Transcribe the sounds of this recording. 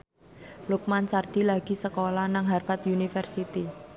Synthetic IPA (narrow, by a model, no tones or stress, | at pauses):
luk̚mant͡ʃard̪̥ilaɡ̥i̤səkolanaŋɦarfat̪junifɛrsit̪i